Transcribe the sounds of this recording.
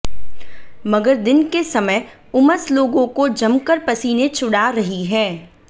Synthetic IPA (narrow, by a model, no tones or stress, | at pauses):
mɐɡəɾd̪ɪnkesɐməj | ʊməsloːɡõkod͡ʒɐmkəɾpɐsiːnet͡ʃʰʊɽaɾɐɦiɦɛ̃ː